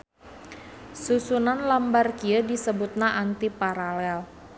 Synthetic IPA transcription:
susunanlambarkiədisəbut̪̚naʔant̪ipaɾalɛl

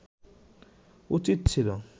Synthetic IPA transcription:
ut͡ɕit̪t͡ɕʰilo

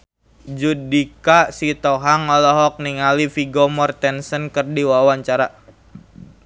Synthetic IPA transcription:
d͡ʒudikasit̪ɔɦaŋɔlɔɦɔk̚niŋalifiɡɔmɔrt̪ɛnsənkɨrdiwawaɲt͡ʃaɾa

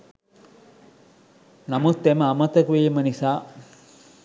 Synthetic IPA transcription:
nɐmut̪ːeməːmət̪ɐkuʋimənisaː

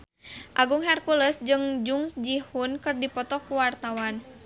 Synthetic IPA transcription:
ʔaɡuŋɦɛrkuləsd͡ʒɨŋd͡ʒuŋsd͡ʒihʊnkɨrdipɔt̪ɔkuwart̪awan

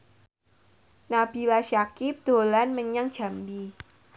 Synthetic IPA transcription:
nab̥i̤laʃakɪp̚d̪̥o̤lanməɲaŋd̥ʒ̥a̤mbi

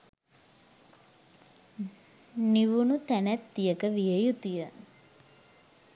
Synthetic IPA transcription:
niʋunut̪ænæt̪̚d̪ijəkəʋijəjut̪ujə

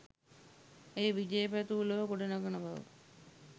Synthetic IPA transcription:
eːʋid͡ʒeːpæt̪uːləʋəkoɖenaɡənəbaʋə̰

